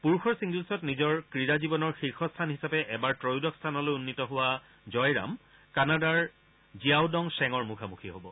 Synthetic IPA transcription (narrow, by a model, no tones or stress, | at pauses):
puɹxʰɔɹsiŋɡulsɔtnizɔɹkɹiɹazibɔnɔɹxiɹxɔstʰanɦisapɛʔɛbaɹtɹojdɔkstʰanɔlojunːitɔɦʊwa | zɔjɹa̰m | kanadaɹ | ziawdɔŋsɛŋɔɹmukʰamuxʰiɦobɔ